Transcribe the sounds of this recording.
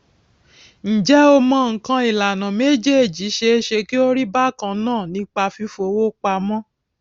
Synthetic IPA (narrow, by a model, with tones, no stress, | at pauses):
n̩˨d͡ʒɛ˨˦o˧mɔ̃˧˦ŋ̩˨kã˧i˨la˨nã˨me˦d͡ʒe˦e˦˨d͡ʒi˨˦ʃe˧˦ʃe˧ki˦o˦ɾi˦ba˦˨kã˧nãː˦˨nĩ˧˦k͡pa˧fi˧fo˧˦wo˦k͡pa˧mɔ̃˦